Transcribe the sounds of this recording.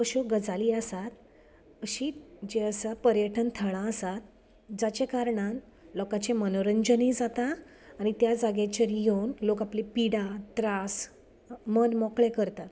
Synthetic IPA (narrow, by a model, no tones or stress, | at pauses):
pəɕoɡəd͡zaliːəsat̪ | əɕiːd͡ʑeəsapəɾjəʈʰənt̪ʰəɭãəsat̪̚ | d͡zat͡ɕekaɾɳãn | lɔkãt͡ɕemənoɾəɲd͡ʑənid͡zat̪aː | ɽ̃it̪jad͡zaɡjat͡ɕaɾiɦownlokaplipiɽat̪ɾas | mənmɔkɭẽkəɾt̪at̪